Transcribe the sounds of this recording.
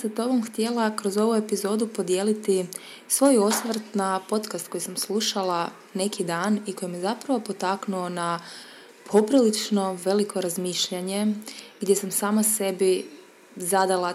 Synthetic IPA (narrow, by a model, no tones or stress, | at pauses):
sat̪o̞bomxt̪je̞lˠakɾo̞zo̞ʋue̞pizo̞d̪upo̞d̪je̞ːlit̪i | sʋo̞jo̞sʋrt̪napo̞t̪kast̪ko̞jisamslˠuʃalˠa | ne̞kʰid̪aːniko̞jimezapɾaʋo̞po̞t̪aknuo̞na | pʰo̞pɾilit͡ʃno̞ʋe̞likʰo̞ɾazmiːʃʎaɲe̞ɡd̪jesamsaːmase̞bi | zad̪alˠa